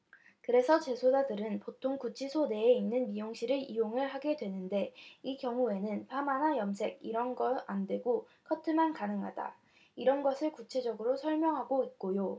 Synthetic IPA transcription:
kɯɾe̞sʰʌt͡ɕe̞sʰod͡ʑadɯɾɯnpotʰoŋkut͡ɕʰisʰone̞ːinːɯnmijoŋɕ͈ʰiɾɯɾioŋɯɭɦaɡe̞dwe̞nɯnde̞ikjʌŋue̞nɯnpʰamanajʌmsʰe̞ɡ̚iɾʌnɡʌandwe̞ɡo | kʰʌtʰɯmankanɯŋɦada̰ | iɾʌnɡʌsʰɯɭkut͡ɕʰe̞d͡ʑʌɡɯɾosʰʌɭmjʌŋɦaɡoit̚k͈ojo

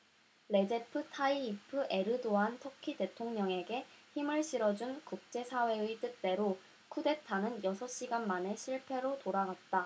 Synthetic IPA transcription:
ɾe̞d͡ʑe̞pʰɯtʰaiːpʰɯʔeɾɯdoɦantʰʌkʰite̞tʰoŋɲʌŋe̞ɡe̞çimɯɭɕʰiɾʌd͡ʑunkuk̚t͡ɕ͈e̞sʰawe̞ɯit͈ɯt̚t͈e̞ɾo | kʰude̞tʰanɯnjʌsʰʌɕ͈iɡanmane̞ɕʰiɭpʰe̞ɾotoɾaɡat̚t͈a

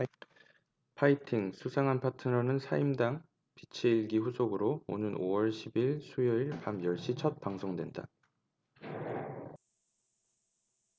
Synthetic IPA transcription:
pʰaitʰiŋsʰusʰaŋanpʰatʰɯŋʌnɯnsʰaimdaŋ | pit͡ɕʰeiɭɡiɸusʰoɡɯɾoo̰nɯnowʌɭɕʰibiɭsʰujʌiɭpamjʌɭɕ͈it͡ɕʰʌt̚p͈aŋsʰoŋdwe̞nda̰

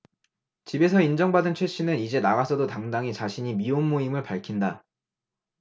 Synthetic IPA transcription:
t͡ɕibe̞sʰʌind͡ʑʌŋbadɯnt͡ɕʰwe̞ɕ͈ʰinɯnid͡ʑe̞naɣasʰʌdotaŋdaŋit͡ɕaɕʰiɲimionmoimɯɭpaɭkʰinda

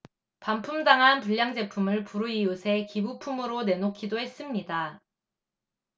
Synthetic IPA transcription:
pampʰumdaŋɦanpuʎːjaŋd͡ʑe̞pʰumɯɭpuɾuiusʰe̞kibupʰumɯɾone̞nokʰidoɦe̞s͈ɯmɲida

